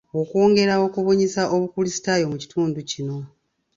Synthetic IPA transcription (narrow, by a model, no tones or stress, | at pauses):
okwo̞ːŋɡe̞ɾao̞kuβoɲisaʔo̞βukulisi̥tajo̞muci̥tʰuːnducino̞